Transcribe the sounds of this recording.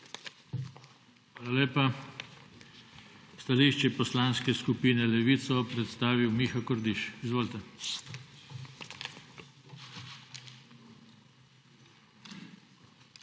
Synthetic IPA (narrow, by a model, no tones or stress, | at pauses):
xaːlaleːpa | st̪aliʃt͡ʃɛpɔslanskɛskupiːnɛlɛʋit̪sɔpɾɛt̪st̪aːʋiwmixakɔɾd̪iʃizʋoːlt̪ɛ